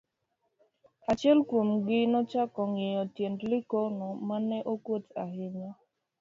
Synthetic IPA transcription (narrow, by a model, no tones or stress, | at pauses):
at͡ʃɛlkwomɡɪnɔt͡ʃakɔŋɪjɔtjendlɪkɔnɔmanɛʔokotahɪɲa